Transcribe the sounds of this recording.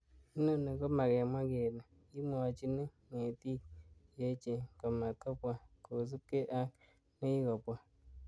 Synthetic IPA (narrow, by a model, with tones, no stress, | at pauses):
i˦no˦ne˨kɔ˦ma˨kɛ˨m˦a˦ɡe˨na˨ | i˦mo˨a˨t͡ʃi˦ne˦ | ŋe˨ti˦˨je˨˦t͡ʃe˨kɔ˨ma˨kɔ˦pʷa˦ko˨s̬u˦ke˦ʔa˦ | ne˦ji˦ɡɔ˨pʷa˦